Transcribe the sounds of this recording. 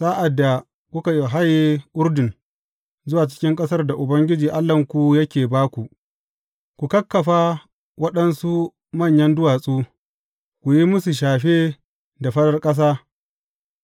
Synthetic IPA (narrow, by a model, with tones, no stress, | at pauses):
saː˦ʔa˨dːa˨ | kʷʊ˦ka˨jɦa˦je˦ʔʊ˦ɾdɪ˨n | zʊ˦waː˨t͡ʃɪ̥˦kʲɪ˦ŋkʼɐ˦sɐ˦rda˨ʔʊ˨bɐ˦ŋɡʲɪ˦d͡ʒiː˨ʔa˦lːɐ˨ŋkʷu˨jɐ˦kʲeː˨baː˦kʷu˨ | kʷu˨kɐ˦kːɐ˨ɸaː˦ | wɐ˦ɗɐ˦nsu˦ | mɐ˦˨ɲjɐ˦ndʊ˦waː˨sʼuː˦ | kʷu˨ji˦mʊ˦su˨ʃ̬aː˨ɸeː˦ | da˨ɸɐ˦ɗɐ˦rkʼɐ˦s̬aː˦